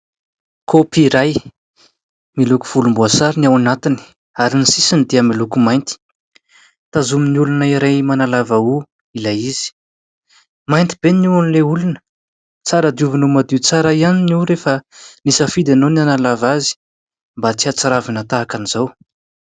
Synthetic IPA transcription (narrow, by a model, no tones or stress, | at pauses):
kʰopiɾaj | miluku̥v̥ulumbuasaɾiniawanat̪ini̥ | aɾinisisind̪iəmilukumajnt̪i̥ | t̪azuminiulunaiɾajmanalavau | ilajizi̥ | majnt̪i̥b̥enuanileulunə̥ | t͡saɾəd̪iuvinomad̪it͡saɾaianiniwɾefənisəfid̪anonianalavazi̥ | mbat͡siat͡saɾavanət̪aːkaniz̥aw